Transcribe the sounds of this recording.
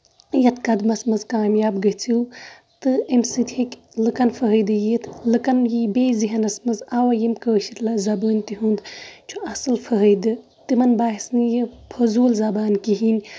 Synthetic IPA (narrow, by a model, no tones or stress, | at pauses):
jɐt̪ʰkɐd̪mɐsmɐzkaːmjaːbɡɐt͡sʰiw | t̪ɨemsɨt̪ʰekʲ | lɨkɐnfʰɐɦəjd̪ɨjit̪ʰlɨkɐnjibeːziɦɐnɐsmɐzawɐjimkəːʃit̪lɐzɐbəːnʲt̪iɦund̪t͡ʃʰuɐsɨlfʰɐɦəjd̪ɨ | t̪imɐnbaːɦisnɨjipʰɐzuːlzɐbaːnkiɦinʲ